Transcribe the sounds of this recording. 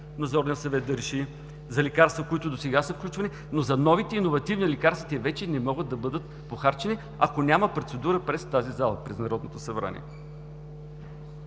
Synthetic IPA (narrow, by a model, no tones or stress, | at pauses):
nɐd̪zɔɾnəsɐvɛt̪̚d̪ɐɾɛʃi | zɐlɛkaɾst̪vokoit̪ʊd̪osɛɡasəfklʲut͡ʃvɐni | nozɐnɔvit̪ɛinovɐt̪ivnilɛkaɾst̪vit̪ɛvɛt͡ʃɛnɛmɔɡət̪̚d̪ɐbɤd̪ət̪ | poxaɾt͡ʃɛni | ɐkonʲaməpɾot̪sɛd̪uɾəpɾɛst̪azizalˠɐpɾɛznɐɾɔd̪not̪osɐbɾa̰nʲḭɛ